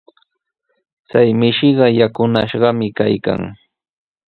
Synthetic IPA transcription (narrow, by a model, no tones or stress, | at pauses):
t͡sajmɪʃɪɢɑjakʊnaʃɢɑmɪkajka̰ŋ